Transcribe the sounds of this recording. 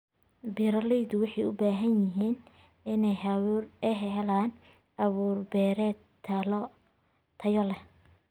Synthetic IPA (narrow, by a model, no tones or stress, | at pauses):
biɾɐlɛjd̪ʊwɑħɑjʊ̰baːɦɐnjɪɦiːn | ɪnɛjɦrɛɦɛɦɛlaːn | ʔɐβuːrbɛːɾɛ | t̪ʰɐjɔlɛ